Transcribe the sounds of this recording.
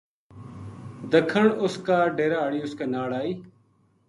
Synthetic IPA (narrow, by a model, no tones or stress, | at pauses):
d̪əkʰəɳʊskaːɖeːɾaːɽiːʊskaːnaːɽaːiː